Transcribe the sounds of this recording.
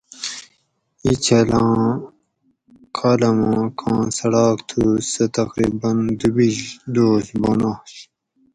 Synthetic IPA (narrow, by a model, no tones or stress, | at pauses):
it͡ɕʰɐlɑ̃ː | kʰaːlɐmɑ̃ːkʰãːsɐɽɑːkt̪ʰusɐt̪ɐqɾḭːbɐnd̪ubiʑd̪oːsbonaːɕ